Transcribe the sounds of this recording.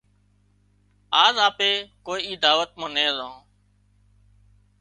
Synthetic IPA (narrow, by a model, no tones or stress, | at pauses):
aːzaːpeːkoːiːiːd̪aːʋət̪̚mãːnẽːzãː